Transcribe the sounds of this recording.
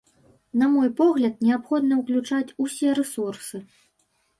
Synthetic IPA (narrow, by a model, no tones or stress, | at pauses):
nɐmɔjpɔɣlʲɐt̪̚nʲɛapxɔd̪̚nɐwklʲut͡ʂat͡sʲusʲɛɾɛsursɨ